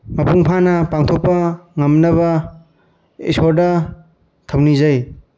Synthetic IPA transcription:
mɐpuŋpʰanɐpaŋt̪ʰok̚pːɐŋɐmnɐβɐ | ḭsoɾdɐ | t̪ʰɐwnizaj

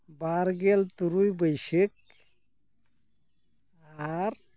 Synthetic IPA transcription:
baɾɡelt̪uɾujbəjsik̚ | aɾ

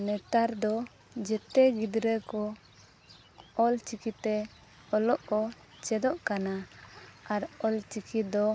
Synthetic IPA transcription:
nɛt̪aɾd̪ɔ | d͡ʒɛt̪ɛɡid̪ɾəkɔ | ɔlt͡ʃikit̪ɛ | ɔlɔʔkɔ | t͡ʃɛd̪ɔʔkana | aɾɔlt͡ʃikid̪ɔ

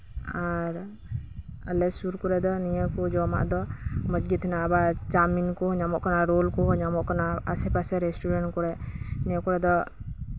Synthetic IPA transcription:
aɾ | alɛsuɾkɔɾɛd̪ɔnijakɔd͡ʒɔma̰ʔd̪ɔmɔd͡ʒɡit̪ʰinabad͡ʒaminkɔɲamɔʔkɔnaɾolkɔɲamɔʔkɔnaasɛpasɛɾɛsʈuɾɛnkɔɾɛnijɔkɔɾɛd̪ɔ

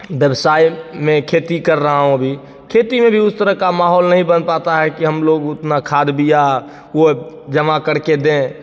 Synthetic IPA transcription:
bjəbsaimekʰet̪ikəɾːəɦaɦõəbʱi | kʰet̪imebʱiʊst̪əɾəɦkamaɦɔlnəɦĩbənpat̪aɦɛkiɦəmloɡʊt̪nakʰad̪bʱija | od͡ʒəmãkəɽ̤ked̪ẽ

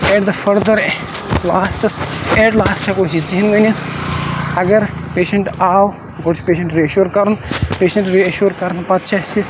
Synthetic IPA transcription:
eʈ̚d̪ɐfɐɾd̪ɐɾ | laːsʈɐseːʈlaːsʈʰɐkoɦiziɦinɡɐni | ɐɡɐɾpeːʃɐɳʈaːw | ɡoʈspeːʃɐ̃ɳʈɾiɐʃuːɾkɐɾunpeːʃɐ̃ɳʈɾiɐʃuːɾkɐɾnpɐt̪̚t͡ʃʰɐsi

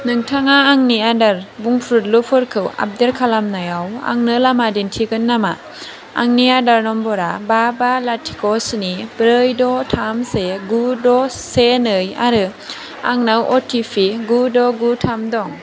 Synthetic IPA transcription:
nɯŋtʰaŋaːŋniadaɾbuŋpʰɾut̚lupʰɯɾkʰɯwa̰p̚diɾkʰalamnajawa̰ŋnɯlamadintʰiɡɯnːama̰ː | ŋniadaɾnɔmbɔɾababalatʰi̥kɔsnib̥ɾɯjdɔtʰamseɡudɔsenɯja̰ɾɯ | aŋnawʔɔtʰipʰiɡudɔɡutʰamdɔŋ

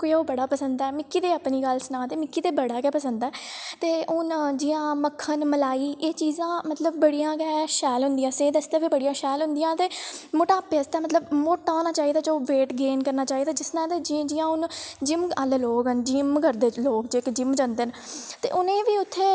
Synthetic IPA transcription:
kooːbəɽaːpəsənd̪ɛːmɪkːiːd̪eːəpniːɡəlsnãːt̪eːmɪkːiːd̪eːbəɽaːkɛːpəsənd̪aɛːt̪eːʊnd͡ʒɪːãːməkʰːənməlaːiːʔeːt͡ʃiːzãːmət̪ləbːəɽijãːkɛːʃɛːlɦʊnd̪ijãːseːd̪əst̪eːʋiːbəɽijãːʃɛːlɦʊ̃nd̪ijãːt̪eːmoʈaːpeːəst̪ɛːmət̪ləbmoːʈːaːnaːt͡ʃaːiːd̪aːd͡ʒoːʋeːʈɡeːnkəɾnaːt͡ʃaːiːd̪aːd͡ʒɪsnãːt̪eːd͡ʒd͡ʒiːãːʊnd͡ʒɪməlloːkənd͡ʒɪmkəɾd̪eːloːkd͡ʒekd͡ʒɪmd͡ʒãːnd̪eːnt̪ḛːʔʊnẽːʋiːʊt̪ʰːeː

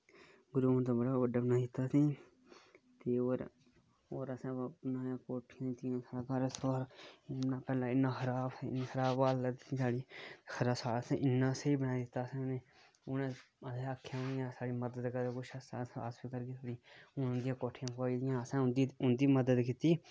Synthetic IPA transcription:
ɡʊɾuːnt̪̬aːbəɽaːbəɖaːbnaːid̪ɪt̪ːaːsĩː | t̪eːoːɾ | oːɾəsãːpnãːjãːkoːʈʰːɪjãːt̪ɪãːsaːɽaːɡəɾsoːɾnːãːpɛːlãːɪnːãːxʰəɾaːbxəɾaːbaːlːəd̪ĩsaːɽiːxəɾaːsaːlsẽːʔɪnːãːsiːbənaːid̪ɪt̪ːaːsĩːneː | ʊne | ədeəkʰːjãːnjãːsaːɽiːməd̪əd̪kəɾkʊʃəsa̰ːə̰spikəɾkeːt̪ʰoːɽiːʊnd̪ɪjãːkoːʈʰːɪjãːpkaːid̪ɪjãːəsãːnd̪iʊnd̪iːməd̪əd̪kɪt̪iː

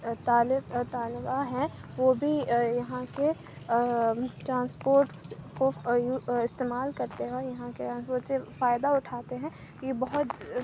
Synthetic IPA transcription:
t̪aːlɪbt̪aːlbaɦɛ̃ʋoːbʱijɐɦãke | ʈɾãːnspoːɾʈkojuɪst̪eːmaːlkɐɾt̪eɦɛ̃ɔːɾjɐɦãkeʈɾãːnspoːʈsefaːɪd̪aʊʈʰaːt̪eɦɛ̃ː | jebɐɦʊt̪

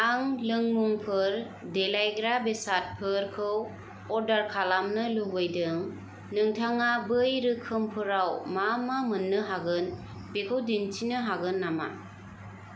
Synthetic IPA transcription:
aŋlɯŋmuŋpʰɯɾ | delajɡɾabesat̚pʰɯɾkʰɯw | ɔɾdaɾkʰalamnɯluɡɯjdɯŋ | nɯŋtʰaŋabɯjɾɯkʰːɯmpʰɯɾawmamamɯnːɯɦaɡɯn | bekʰɯwdintʰinɯɦaɡɯnːama̰

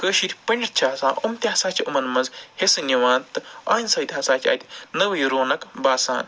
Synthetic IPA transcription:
kəːʃiɾʲpɐɳʲɖt͡ʃʰaːsa̰ːʔumt̪ʲasaːt͡ʃʲʰiumɐnmɐzhesɨnʲiʋaːnt̪ːɨaːnʲsɐːt̪ʲaːsaːt͡ʃʲʰɐ̰ːjt̪ʲnɐʋɐjɾoːnɐkbaːsa̰ːn

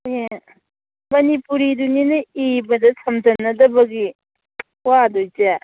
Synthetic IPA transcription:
je | mɐnipuɾiduninɯibɐdɐsʰɐmzɐnːɐdɐbɐɡi | wadojze

